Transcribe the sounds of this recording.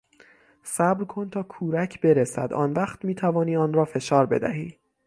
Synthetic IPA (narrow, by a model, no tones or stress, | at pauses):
sæbɾkʰo̞nt̪ʰɒːkʰuːɾæcʰbe̞ɾesæ̰d̪ɒ̰ːnvæχt̪miːt̪ʰævɒːniːɒːnɾɒːfe̞ʃɒːɾbe̞̰d̪æ̰ɦiː